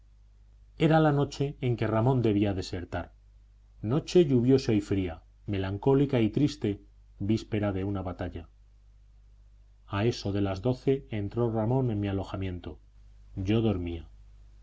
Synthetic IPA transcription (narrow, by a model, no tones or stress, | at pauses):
e̞ɾalano̞t͡ʃe̞ːŋkeramond̪e̞β̞iaðe̞se̞ɾt̪aɾ | no̞t͡ʃe̞ʎuβjo̞seo̞jfɾia | me̞laŋko̞likait̪ɾist̪e̞ | bispe̞ɾaðe̞unaβat̪aʎa | ae̞so̞ð̞e̞lazðoθe̞ːnt̪ɾo̞ramõ̞nẽ̞nmialo̞xamjẽ̞nt̪o̞ | ɟ͡ʝo̞ð̞o̞ɾmia